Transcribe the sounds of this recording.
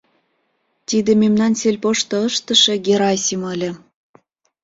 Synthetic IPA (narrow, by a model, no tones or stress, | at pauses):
t̪id̪ememnɑnselʲpoʃt̪ɤ̆əʃt̪ə̆ʃĕɡeɾɑjsiməlʲĕ